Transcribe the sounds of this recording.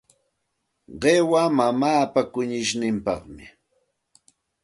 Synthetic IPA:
ɢewamamaːpakʊɲɪʃnɪmpɑ̰χmɪ

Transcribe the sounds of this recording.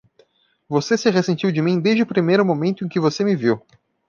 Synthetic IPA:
vosesɪʁesẽnt͡ʃiwd͡ʒɪmĩd̪ezd͡ʒɪʊpɾimejɾʊmõmẽnt̪ʊẽkɪvosemɪviw

